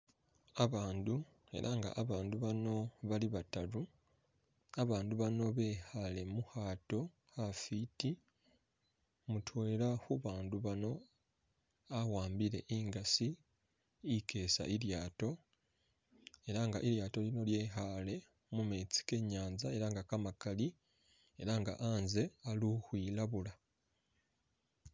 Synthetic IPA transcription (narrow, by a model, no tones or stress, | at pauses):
aβaːndu | e̞̰ɾʔaŋɡa̰ʔaβaːnduβano̞βaliβataɾu | aβaːnduβano̞βe̞hale̞muhaːto̞ | hafiti | mutʰoeɾahuβaːnduβano̞ | awaːmbiɾe̞̰ʔiːŋɡasiː | kʰe̞ːsa̰ʔiɾjaːto̞ | e̞ɾaŋɡaʔiɾjaːto̞lino̞lje̞ɦale̞ | mumet͡si̥ke̞ɲaːnzae̞ɾaŋɡakamakali | e̞ɾaŋɡa̰ʔaːnze̞aluhwilaβula